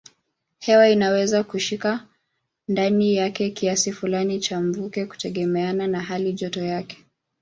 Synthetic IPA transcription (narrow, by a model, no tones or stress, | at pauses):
hɛwainawɛzakuʃika | ndanijakɛkiasifulanit͡ʃaɱ̩vukɛku̥tɛɠɛmɛananaɦaliʄɔtɔjakɛ̥